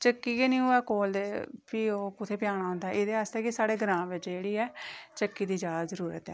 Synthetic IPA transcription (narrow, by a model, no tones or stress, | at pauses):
t͡ʃəkːiːkeːnĩːoːɛːkoːld̪eːpioːkʊt̪ʰeːpɪjaːɽ̃aːɦʊ̃nd̪aɛɪd̪eːaːst̪eːkɪsaːɽeːɡəɾãːʋɪt͡ʃd͡ʒeːɽiːɛːt͡ʃəkːiːd̪iːd͡ʒaːzzəɾuːɾə̰t̪ɛ̰